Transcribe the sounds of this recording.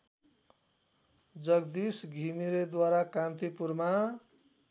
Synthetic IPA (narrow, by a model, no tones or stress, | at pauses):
d͡zʌɡd̪isɡʱimiɾed̪waɾakãnt̪ipurma